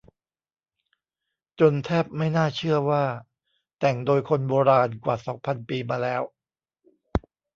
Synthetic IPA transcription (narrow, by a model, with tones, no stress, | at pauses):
t͡ɕo˧nt̪ʰɛː˦˥˩p̚ma˥˩jnaː˥˩t͡ɕʰɯ˥˩ɐwaː˥˩ | t̪ɛ˨˩ŋdoː˧jkʰo˧nboː˧ɾaː˧nkwaː˨˩sɔː˩˦ŋpʰa˧npiː˧maː˧lɛː˦˥w